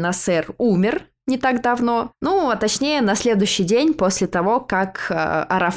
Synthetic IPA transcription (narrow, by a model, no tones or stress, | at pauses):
nɐsɛrumʲɪr | nʲɪt̪aɡd̪ɐvno̞nuɐt̪ɐt͡ɕnʲejənɐsʲlʲe̞d̪ʊjʊɕːɪjdʲenʲposʲlʲɪt̪ɐvo̞kakə̰ɐɾɐf